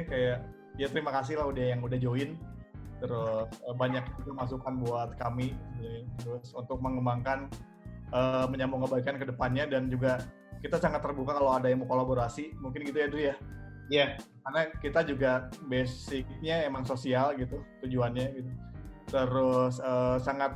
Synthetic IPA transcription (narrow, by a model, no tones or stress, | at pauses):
kajaʔ | ijat̪əɾimakas̬ɪhlaɦudahjaŋudahd͡ʒoɪnt̪əɾʊsəbaɲak̚ɲat̪umas̬ukanbuat̪̚kamit̪əɾʊsunt̪ʊk̚məŋəmbaŋkan | əməɲambuŋəbaikankədəpanɲadand͡ʒuɡa | kit̪asaŋat̪ːərbukakalowadajaŋmbəkolaboɾasimuŋkɪnɡit̪ujadujajakarnakit̪ad͡ʒuɡabesɪk̚ɲaemaŋsosialɡit̪ut̪ud͡ʒuanɲaɡit̪ut̪əɾʊsəːsaŋat̪̚